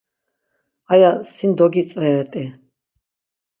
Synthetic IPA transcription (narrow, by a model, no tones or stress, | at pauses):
ajasind̪ɔɡit͡s̪ʼvɛɾɛt̪ʼi